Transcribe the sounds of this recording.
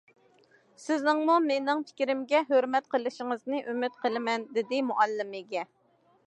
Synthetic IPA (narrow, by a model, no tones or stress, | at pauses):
sɪznɪŋmumenɪŋpʰɪ̥kʲɾɪmɡʲɛɦøɾmɛt̪̚qʰəlˠɨʃɪŋəznɨʔymyt̪̚qʰəlˠɪmɛnd̪ɪd̪ɪmuʔɛlːɪmɪɡʲɛ